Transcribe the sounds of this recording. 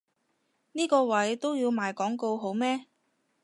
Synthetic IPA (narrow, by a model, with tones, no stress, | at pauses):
niː˥kɔː˧wɐ˨˥jt̪o˥wjiː˧wmaː˨˧jkɔː˨˥ŋko˧wɦo˨˥wmɛː˥